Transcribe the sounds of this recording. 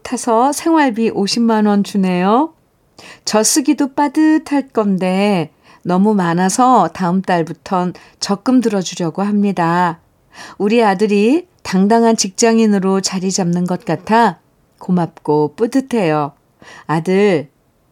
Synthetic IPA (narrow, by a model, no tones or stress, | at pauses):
tʰasʰʌsʰe̞ŋwaɭbiʔoɕʰimːanwʌnt͡ɕune̞jo | t͡ɕʌs͈ɯɡidop͈adɯtʰaɭ̚k͈ʌnde̞ | nʌmumanasʰʌtaɯmt͈aɭbutʰʌn | t͡ɕʌk͈ɯmdɯɾʌd͡ʑuɾjʌɡoɦamɲida | uɾiadɯɾitaŋdaŋɦant͡ɕik̚t͡ɕ͈aŋinɯɾot͡ɕaɾid͡ʑamnɯnɡʌt̚k͈atʰa | komap̚k͈op͈udɯtʰe̞jo | adɯɭ